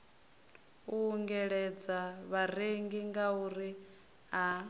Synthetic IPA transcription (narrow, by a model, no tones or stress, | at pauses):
uːŋɡɛɺɛd͡zaβareŋɡiŋɡauɾi | a